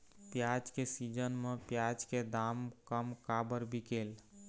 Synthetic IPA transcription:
pjad͡ʒkesid͡ʒənmepjad͡ʒked̪amkəmkabəɾbʱikel

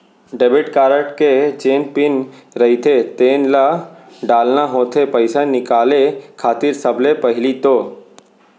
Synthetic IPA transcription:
ɖeːbɪʈkaːɾəʈked͡ʒeːnpɪnɾɐɦit̪ʰet̪eːnla | ɖaːlnaɦoːt̪ʰepəɪsanɪkaːlekʰaːt̪ɪɾsəblepəɦɪlit̪oː

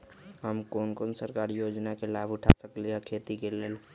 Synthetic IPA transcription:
ɦəmkonkonsəɾkaɾijod͡ʒnakelabʱuʈʰa̰səkliɦɛkʰet̪ikelel

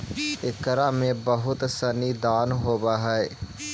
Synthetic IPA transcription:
ɪkːəɾamẽbəɦʊt̪sɐnid̪aːnɦoːbaɦɛ

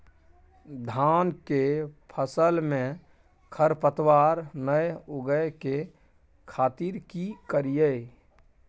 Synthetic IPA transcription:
d̪ʱaːnkepʰəsəlmẽ | kʰəɾpət̪waːɾnəjʊɡəke | kʰaːt̪iɾkikəɾijə

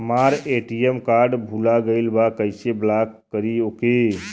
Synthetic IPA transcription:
əmaɾeʈiemkaɾɖbʱulaɡəɪlbakəɪseblakːəɾioke

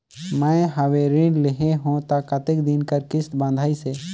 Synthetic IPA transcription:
mə̃ɦəweɾɪ̃ːɖlɪɦeɦõt̪akɐt̪ɪkd̪ɪnkəɾkɪst̪bãːnd̪ʱaːiseː

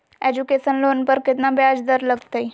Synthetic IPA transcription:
eːd͡ʒukeːsənloːnpəɾkɪt̪nabjaːd͡ʒd̪əɾləɡt̪ai

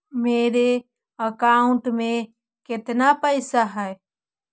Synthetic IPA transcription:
meːɾe | əkaːʊ̃ɳʈmẽ | kɪt̪napəɪsaɦɛe

